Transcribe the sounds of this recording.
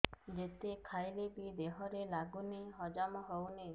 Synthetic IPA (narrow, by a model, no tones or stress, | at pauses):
d͡ʒet̪ekʰajlebid̪eɦɔɾelaɡuneɦɔd͡ʒamɔɦowne